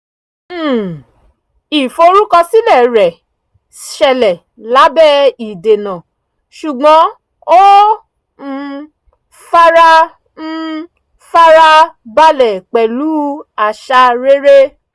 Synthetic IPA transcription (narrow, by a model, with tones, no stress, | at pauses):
i˨fo˧ɾu˦kɔ˧si˦lɛ˦˨ɾɛ˨ | ʃɛ˧lɛ˨ | la˨˦bɛ˦i˨de˨nã˨ | ʃu˨ɡ͡bɔ̃˨˦ | o˦˧ | fa˧ɾa˧˦˧ | fa˧ɾa˧ba˧lɛ˨k͡pɛ˨lu˨˦a˨ʃa˧ɾe˦ɾe˦